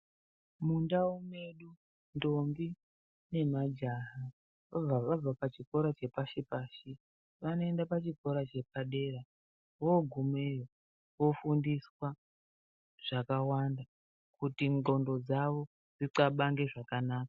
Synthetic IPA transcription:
mundaume̞ɗu | ndo̞mbi | ne̞mad͡ʒaɦa | ʋab͡vaʋab͡vapat͡ʃiko̞ɾat͡ʃe̞paʃipaːʃi | ʋano̞e̞ndapat͡ʃiko̞ɾat͡ʃe̞p̚aɗe̞ɾa | wo̞ɡʱumejo | wo̞fundiswa | ʐ̥akawanda | kutiŋɡo̞ndo̞d͡zaʋo̞ | d͡ziǀaɓaŋɡe̞ʐakanaːkḁ

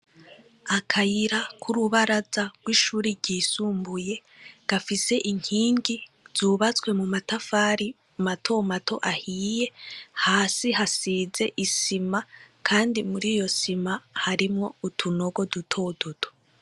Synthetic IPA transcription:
akʰajiɾakʰuɾuβaɾazaɡ̥wiːʃuːɾiɾɟiːsuːmbuje̞ | ɡ̥afise̞ʔiŋ̥hiːŋɡiz̥uːβat͡swe̞mumatafaːɾi | matʰo̞matʰo̞ʔahiːje̞haːsiɦasiːze̞ʔisimakʰaːndimuɾiːjo̞simahaɾimŋo̞utʰuno̞ɡo̞dutʰo̞dotʰo

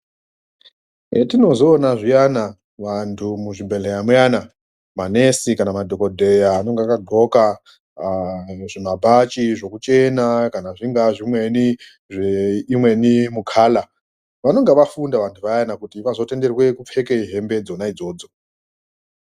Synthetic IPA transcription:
etino̞zoːnaʐijana | ʋantʰumuʐibʱeɬejamujana | mane̞sikanamadʱo̞kodʱejaːno̞ŋɡakaɡʱo̞ka | ʐ̥imabʱat͡ʃiʐo̞kut͡ʃe̞nakanaʐiŋɡaʐimwe̞ni | ʐeimwe̞nimukʰaːla | ʋano̞ŋɡeʋafundaʋantʰuʋajanakutiʋazo̞te̞nde̞rwe̞kup͡fe̞keiɦe̞mbe̞d͡zo̞naid͡zo̞ːd͡zo̞

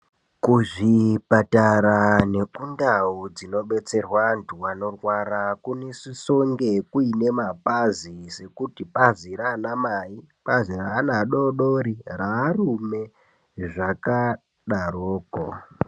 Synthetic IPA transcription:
kuʐipataɾane̞kundaud͡zino̞ɓe̞t͡se̞rwantʰuwano̞rwaɾakunesiso̞ŋɡe̞kuine̞mapazise̞kutipaziraːnamaipaziraːnaɗo̞ɗoɾiraːrume̞ | ʐaka | ɗaroːko̰

